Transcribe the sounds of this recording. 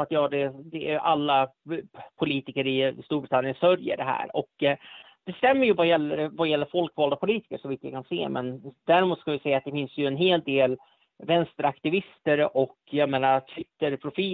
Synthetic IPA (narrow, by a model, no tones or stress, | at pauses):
at̪jɑːd̪ɛd̪ɛ̰ʔalːa | pʰʊliːt̪ɪkəɾɪst̪uːɾbɾɪt̪ʰanjənsœɾjə̰ɖɛɦæ̰ːɾɔk | d̪̥ɛst̪ɛmːəɾjɵvajɛlːəɾvajɛlːəɾfɔlkvɑːld̪apʰʊliːt̪ɪ̥kəʂɔviːt̪vja̰kʰansḛːmɛnd̪æɾɪmuːt̪skavɪsɛjːat̪̚d̪ɛfɪnsjɵɛnɦeːl̚d̪eːl | vɛnst̪əɾakt̪ɪvɪst̪əɾɔkːjɑmeːnaɾt̪ʰvɪt̪ːəɾpʰɾʊfiː